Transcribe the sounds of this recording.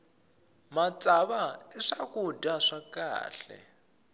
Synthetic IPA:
mat͡sʼaβaɛʂakʼudaʂakʼa̰ːɬɛ̰

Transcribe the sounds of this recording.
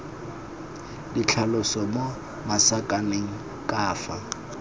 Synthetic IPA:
dit͡ɬʰalʊsɔmo | masakʼaneŋ̩ | kʼaːfa

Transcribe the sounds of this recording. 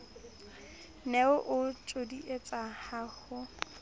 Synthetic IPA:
nɛʊʔʊt͡ʃʼodiʔet͡sʼahaːhʊ

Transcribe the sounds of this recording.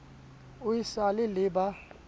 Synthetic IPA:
uisalɪlɪba

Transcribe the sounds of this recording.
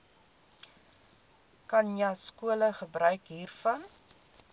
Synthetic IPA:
kɐnjəskuələχəbɾœɥkɦiːrfɐn

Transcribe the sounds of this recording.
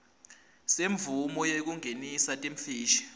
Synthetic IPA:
seɱvumɔjek̬uŋenisatʼem̩fiːʃi̥

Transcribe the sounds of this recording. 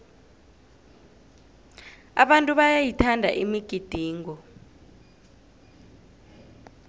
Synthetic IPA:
a̰ɓantʼuɓajajitʰandʱa̰ʔimiɡ̥ʱid̥ʱiːŋɔ

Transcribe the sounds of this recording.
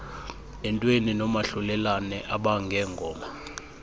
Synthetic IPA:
ɛntʼweninɔmaɬulɛlanɛʔaɓaŋɡʱɛːŋɡʱɔːma

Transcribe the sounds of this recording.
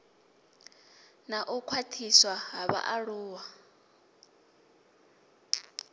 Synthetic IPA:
naʔukʰwatʰiswaɦaβa̰ʔaɺuːwa

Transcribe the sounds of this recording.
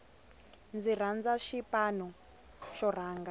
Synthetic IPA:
nd͡ziɾ̤and͡zaʃipanɔ | ʃɔr̤aːŋɡa

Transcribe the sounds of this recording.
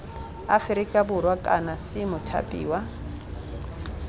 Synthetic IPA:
a̰fɪɾikʼabʊrwakʼanasɪmʊtʰa̰pʼḭːwa

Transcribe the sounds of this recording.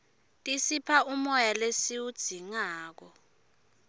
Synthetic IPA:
tʼisipʰaʔumɔjalesiwud̥z̥ʱiŋaːk̬ɔ

